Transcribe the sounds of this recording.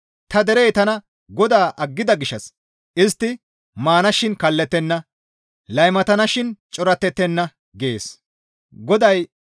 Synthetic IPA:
t̪ɐd̪ɛɾɛjt̪ɐnɐ | ɡɔd̪aːʔɐɡːɪd̪ɐɡɪʃːɐs | ʔɪs̬t̪ːɪ | maːnɐʃɪnkɐlːɛt̪ːɛnːɐ | lɐjmɐt̪ɐnɐʃɪnt͡ʃʼɔɾɐt̪ːɛt̪ːɛnːɐ | ɡḛːs | ɡɔd̪ɐj

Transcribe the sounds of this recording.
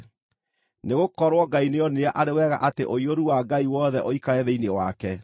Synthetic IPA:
neɣokɔɾwɔɡaineɔneaʔaɾewɛɣa̰ʔateʔoioɾuwaɡaiwɔðɛʔoikaɾɛðeinewa̰kɛ

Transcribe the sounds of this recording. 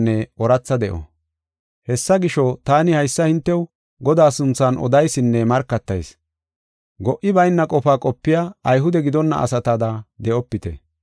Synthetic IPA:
nːɛʔɔɾɐt͡sːɐd̪ɛʔɔ̰ | hɛsːɐɡɪʃɔt̪aːnɪhɐjsːɐhɪnt̪ːɛw | ɡɔd̪aːsʊnt͡sːɐnʔɔ̰d̪ɐjsɪnːɛmɐɾkːɐt̪ːɐjs | ɡɔʔɪbɐjnːɐkʼɔfaːkʼɔpːɪjaːɐjɦʊd̪ɛɡɪd̪ɔnːɐ̰ʔɐ̰sɐt̪ɐd̪ɐd̪ɛʔɔpːɪt̪ɛ̰

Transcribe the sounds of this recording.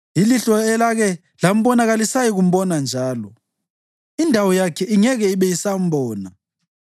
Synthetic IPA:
jiliɬɔɛlaɣɛ | lam̩ɓɔnaɣalisajiɣum̩ɓɔnand͡ʒʱaːlɔ | indʱawɔjakʰɛiŋɛɣɛiɓɛjisam̩bʱɔːna

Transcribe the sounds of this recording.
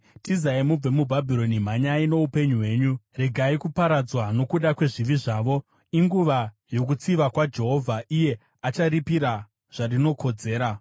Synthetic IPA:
tizaimub͡vemubʱabʱiɾo̞nim̤aɲaino̞upe̞ɲuɦwe̞ːɲure̞ɡʱaikupaɾad͡zwano̞kuɗakwe̞ʐiʋiʐaːʋo̞ | iŋɡuʋa | jo̞k̬ut͡siʋakwad͡ʒe̞ɦo̞vʱaʔije̞ | at͡ʃaripiɾa | ʐ̥arino̞kʰo̞d͡ze̞ːɾa

